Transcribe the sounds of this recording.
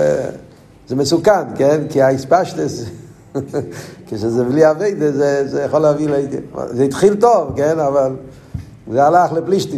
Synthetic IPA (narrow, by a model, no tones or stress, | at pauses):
zɛməsukankɛnkɪaispaʃtəs | kɪʃɛzɛvliːaveɪdəzɛzejəχɔlavilḛzetχiltɔvkɛnaval | zealaχləpliʃti